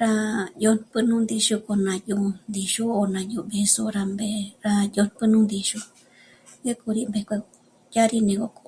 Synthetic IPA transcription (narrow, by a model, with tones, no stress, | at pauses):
ɾa˧jo˧n˧pɨ˧nũ˦nd̪i˧ʃu˧ko˧nã˨˧ju˧nd̪i˧ʃu˦o˧nã˧jũ˧˨be˧su˧ɾa˧mbe˧ɾa˧jo˧n˧pɨ˦nũ˦nd̪i˧ʃu˧ | je˦ku˧ɾi˧mbe˧kʷe˧ | ja˦ɾi˧nẽ˧ko˧ko̥˧